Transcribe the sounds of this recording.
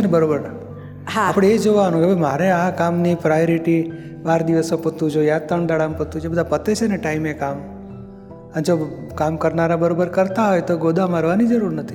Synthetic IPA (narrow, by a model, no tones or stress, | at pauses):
nebəɾobəɾn | ɦaapɽ̃eed͡ʒoʋanũkebemaɾeakamnipɾajoɾiʈi | baɾd̪iʋəsõpət̪ũd͡ʒʰojat̪əɳd̪aɽampət̪ːũt͡ʃʰebəd̪ʱapət̪et͡ʃʰeneʈaimekam | ənd͡ʒokamkəɾnaɾabəɾobəɾkəɾt̪aɦojt̪oɡod̪ʱamaɾʋanid͡ʒəɾuɾnət̪ʰi